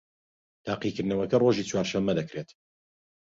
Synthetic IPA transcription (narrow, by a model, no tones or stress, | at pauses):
t̪ʰaːqikɨɾd̪nɐwɐkɐroʒiːt͡swaːɾʃɐmːɐd̪ɐkɾet̪